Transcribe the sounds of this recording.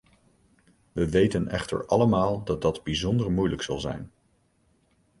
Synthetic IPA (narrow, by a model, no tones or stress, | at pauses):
ʋəʋejtənʔɛ̰χtə̰ɹʔɑləmaːlˠdɑt̚dɑdbizɔndəɹmujləksɑlˠzɛ̰jn